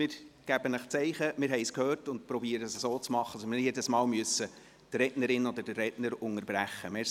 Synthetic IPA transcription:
mɪːɾɡ̥æbənəχt͡sɛɪχəmɪːɾɦɛɪskhøːrtʊnt̚pɾɔbiːəɾəsəsoːt͡smɑχːəsɔmɪjɛdəsmɑːlmyʏəsːə | tɾɛtnəɾɪnɔd̪əd̥ərːɛdnəɾʊŋəɾbɾæχːəme

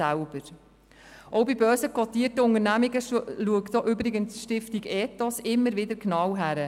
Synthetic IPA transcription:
ælb̥əɾ | ʔɔwbibœːsəkʰɔt̪iːtəʊŋəɾnæmiɡəluəktoʔʏbɾɪɡənsʃtɪftiɡɛːtɔsɪmːəɾvɪdəɾknɑwɦæɾə

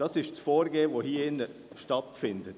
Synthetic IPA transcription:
d̥ɑsɪʃt͡sfoːɾɡeːʋohiːɪnːə | ʃtɑtfɪndət

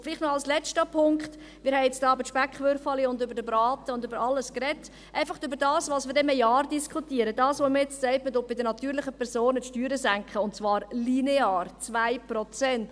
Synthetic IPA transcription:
fɪliːχtnɔɑlslɛt͡ʃtəpʰʊŋkχt | mɪːɾhɛɪɛt͡stɑːbəʃpækχʋʏɾfɑliʊndʏbəɾdəbɾɑːtəʊndøbəɾɑləskɾɛtː | ʔæɪfɑχøbəɾdɑːsʋɑːsmɪːɾdɛmɛjɑːɾdiskʰχutiəɾədɑːsʋoməɾjɛt͡ssɛɪpmədob̥ɪdənɑtyːɾlɪχəpʰɛɾsoːnətʃtyːɾəzæŋkχəʊntt͡svɑːɾlineɑːrt͡svæɪpɾɔt͡sɛnt

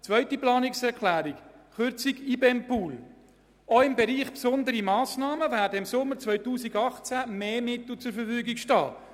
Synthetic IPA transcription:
t͡sʋœɥtiplɑːnɪksɛɾkʰlæːɾikχʏɾt͡sikibɛmpuːl | ɔɪmbɛɾiːχpsʊnd̪əɾimɑːsnɑːməvæːdəɪmsʊmːəɾt͡svœʏtuːsiɡɑχt͡sæmeːmɪt̪l̩ˠt͡sʊɾfəɾfyːɡikʃtɑ̰ː

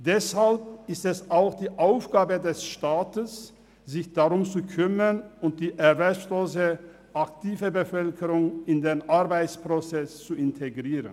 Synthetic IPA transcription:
d̥ɛshalp̚ɪstɛsaʊxd̥iːʔaʊfɡ̥aːbədɛsʃtaːtəs | z̥ɪçd̥aʁʊmt͡sukʰʏmənʊnt̚d̥iːʔɛɐvɛloːsə | ʔaktʰiːvəbəfœlkʰəʁʊŋɪndeːnʔaɐbaɪt͡spʁ̥ot͡sɛst͡suɪntʰeɡʁiːʁən

